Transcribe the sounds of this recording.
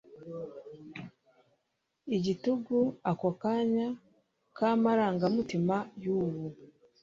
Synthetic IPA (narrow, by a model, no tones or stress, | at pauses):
iɟituɡuakokaɲa | kamaɾaːŋɡamutimajuːβu